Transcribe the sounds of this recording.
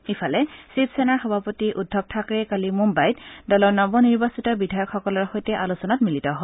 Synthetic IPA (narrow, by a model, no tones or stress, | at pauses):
ipʰalɛsipsɛnaɹxɔbʱapotiʔudʱːɔk̚tʰakɹɛkalimumbajtdɔlɔɹnɔbɔniɹbasitɔbidʱajɔkxɔkɔlɔɹxojtɛʔalusɔnatmilitɔɦɔ